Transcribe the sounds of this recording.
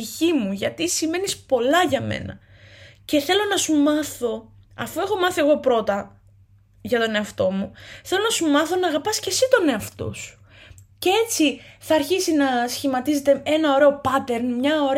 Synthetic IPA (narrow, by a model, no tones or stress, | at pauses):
içimuʝɐt̪isime̞nispo̞lɐʝɐmḛnɐ | ce̞θe̞lo̞nɐsumɐθo̞ | ɐ̰fue̞xo̞mɐθie̞ɣo̞pɾo̞t̪ɐ | ʝɐt̪o̞ne̞ɐft̪o̞muθe̞lo̞nɐsumɐθo̞nɐːɣɐpɐsce̞sit̪o̞ne̞ɐft̪o̰su̥ | cee̞t͡siθɐːɾçisinɐsçimɐt̪is̬e̞t̪ee̞nɐo̞ɾe̞o̞pɐt̪e̞ɾnmɲɐo̞ɾ